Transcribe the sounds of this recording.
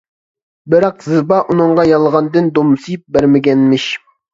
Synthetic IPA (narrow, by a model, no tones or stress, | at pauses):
bɪɾɑqzɨbɑʔunɨŋʁɑjɑlˠʁɑnd̪ɨnd̪omsɨjp̚bæɾmɪɡʲɛnmɪʃ